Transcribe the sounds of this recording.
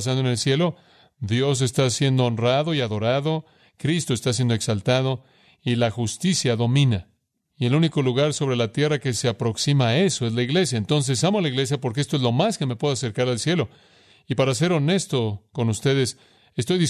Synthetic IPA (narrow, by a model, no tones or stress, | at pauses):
s̬and̪oene̞lsje̞lo̞ | ðjo̞s̬e̞st̪asje̞nd̪oːnraðo̞iaðo̞ɾaðo̞ | kɾist̪o̞e̞st̪as̬je̞nd̪oe̞ksalt̪að̞o̞ | ilaxust̪isjaðo̞mĩna | ie̞luniko̞luɣaɾso̞β̞ɾe̞lat̪je̞rake̞se̞apɾo̞ksimae̞so̞e̞zlaiɣle̞s̬jaent̪o̞ns̬e̞samoalaiɣle̞s̬japoɾk̬eest̪oe̞zlo̞maske̞mepwe̞ðoas̬e̞ɾkaɾalsje̞lo̞ | ipaɾas̬e̞ɾo̞ne̞st̪oko̞nust̪e̞ðe̞s | e̞st̪o̞jðis